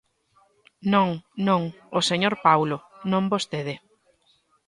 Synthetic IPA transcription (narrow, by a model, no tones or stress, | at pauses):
nõŋnõŋ | oseɲoɾpawlonõmbost̪eðɪ